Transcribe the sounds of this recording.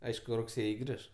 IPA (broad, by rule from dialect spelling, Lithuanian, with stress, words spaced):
ˈɐɪʃkʊ rʊkˈsʲeːjɪ ˈɡrʲɪʃ